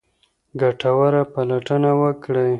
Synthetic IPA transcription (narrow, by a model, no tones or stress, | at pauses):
ɡaʈawaɾapalaʈənawəkɽəj